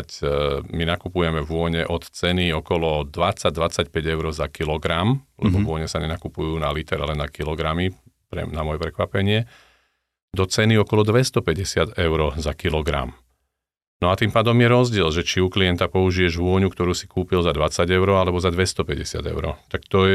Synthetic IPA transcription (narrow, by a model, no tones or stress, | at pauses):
cminakupujɛmɛʋʊɔɲɛʔɔt̪t͡sɛniɔkɔlɔd̪ʋat͡saɟ̚d̪ʋat͡sacpɛɟɛʊɾɔzakilɔɡɾamlɛ̰bɔvʊɔɲɛsaɲɛnakupujuːnalit̪ɛɾalɛnakilɔɡɾami | pɾɛ̰namɔjɛpɾɛkʋapɛɲɪɛ | d̪ɔt͡sɛniɔkɔlɔd̪ʋɛst̪ɔpɛɟɛsɪad̪ɛʊɾɔzakilɔɡɾa̰m | nɔat̪impaːd̪ɔmjɛɾɔzɟɪɛlʒɛt͡ʃiukliɛnt̪apɔuʒijɛʒʋʊɔɲukt̪ɔɾuːsi̥kuːpilzad̪ʋat͡saɟɛʊɾɔalɛbɔzad̪ʋɛst̪ɔpɛɟɛsɪa̰d̪ɛ̰ʊɾɔ̰t̪akt̪ɔ